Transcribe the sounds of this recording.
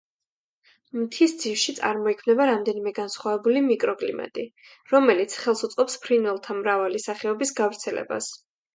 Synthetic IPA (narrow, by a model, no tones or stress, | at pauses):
mt̪ʰisd̪z̥ifʃit̪sʼa̰ɾmɔikʰmnɛbaɾamd̪ɛnimɛɡansχwavɛbulimikʼɾɔkʼlḭma̰t̪ʼi | ɾɔmɛlit̪sʰχɛlˠsut̪sʼqʼɔpspʰɾinvɛlˠt̪ʰamɾavalisaχɛɔbisɡavɾt̪sʰɛlɛ̰ba̰s